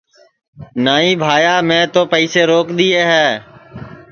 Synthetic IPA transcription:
naːĩːbʱaːjaːmɛ̃ːt̪oːpəiːseːɾoːkɗ̪iːeːɦɛː

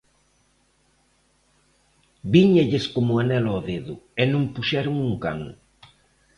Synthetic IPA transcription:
biɲeʎeskomʊanɛlɔðeðʊenũmpuʃɛɾʊŋuŋka̰ŋ

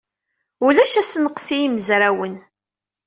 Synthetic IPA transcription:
ulæʃæsnəqsijiməzɾawən

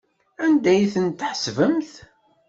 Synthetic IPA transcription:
ænd̪æjθənt̪ːħəsvəmθ

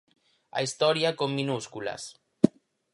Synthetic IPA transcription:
a̰ist̪ɔɾjakomːinuskula̰s

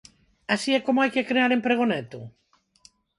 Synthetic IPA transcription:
asiɛkomoajkekɾeaɾempɾeɣ̞onɛt̪ʊ̰

